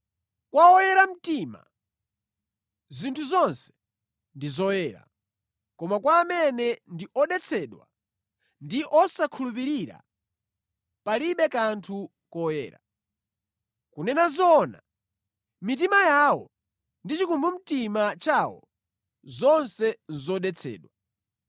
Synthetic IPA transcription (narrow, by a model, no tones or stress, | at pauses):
kwaɔjɛɾam̩tima̰ | zintʰuzɔnsɛ̥ | ndizɔjɛːɾa̰ | kɔmakwaːmɛnɛndiʔɔɗɛt͡sʰɛɗwa̰ | ndiʔɔsakʰulup̬iɾiɾa̰ | paliɓɛkantʰu | kɔjɛ̰ːɾa̰ | kunɛnazɔna̰ | mit̬imajawɔ̰ | ndit͡ʃikumbum̩timat͡ʃawɔ̰ | zɔnsɛnzɔɗɛt͡sʰɛ̰ːɗwa